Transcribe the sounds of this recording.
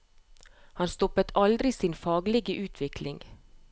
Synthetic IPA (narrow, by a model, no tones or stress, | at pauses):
hɑnst̪ɔpət̪ʰɑld̪ɾɪsiːnfɑːɡlɪɡəʔʉːt̪ʰʋɪkʰlɪŋ